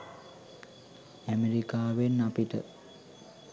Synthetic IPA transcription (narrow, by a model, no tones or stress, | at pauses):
æmeɾikaːʋenːapiʈə